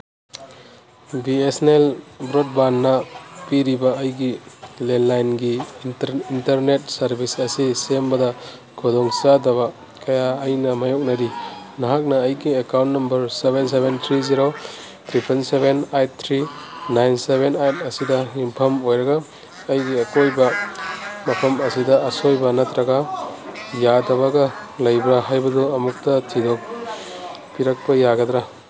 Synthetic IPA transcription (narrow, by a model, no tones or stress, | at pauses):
biesnelbɾod̚banːɐpiɾibɐːjɡilenlajnɡi | intɐɾnet̚sɐɾbʱisɐsisembɐdɐ | kʰudɔŋsadɐβɐ | kɐjaːjnɐmajɔk̚nɐɾinɐɦak̚nɐːjɡiekawntnɐmbɐɾsebʱensebent̪ʰɾiziɾo | t̪ʰɾipʰɐnsebenajt̚t̪ʰɾinajnsebʱenajt̚ɐsidɐimpʰɐmojɾɐɡɐː | jɡiɐkojbɐ | mɐpʰɐmɐsidɐːsojbɐnɐt̪ɾɐɡɐ | jadɐβɐɡɐlɐjbɾɐɦajbɐduɐmuk̚tɐtʰidok | piɾɐk̚pɐjaɡɐd̪ɾa